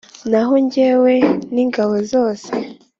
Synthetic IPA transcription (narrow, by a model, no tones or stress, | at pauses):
naɦoɲɟe̞ːweniːŋɡaβozo̞ːse